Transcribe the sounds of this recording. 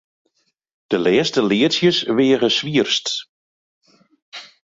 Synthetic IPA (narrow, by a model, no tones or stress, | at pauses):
d̥əlɛːstəlɪətsjəsʋɪːəɣəsʋiərst